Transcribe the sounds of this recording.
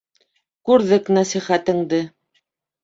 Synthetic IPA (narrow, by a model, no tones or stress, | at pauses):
kʉɾðɘknæsiχæt̪ɘ̆ŋd̪ɘ